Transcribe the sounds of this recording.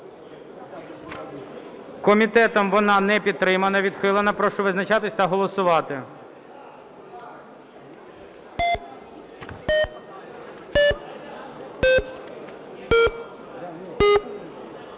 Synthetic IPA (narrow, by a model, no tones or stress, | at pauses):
kɔmʲit̪ɛt̪ɔmʋɔnɑnɛpʲid̪̚t̪ɾɪmɐnɐʋʲid̪xɪlˠenɐpɾɔʃt͡ʃɔʋɪznɐt͡ʃɑt̪ɪsʲt̪ɐɦɔlˠɔsʊʋɑt̪ɪ